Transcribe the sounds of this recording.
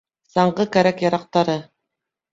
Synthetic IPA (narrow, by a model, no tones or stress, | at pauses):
sɑɴɢɤkæɾækjɑɾɑq̚t̪ɑɾɤ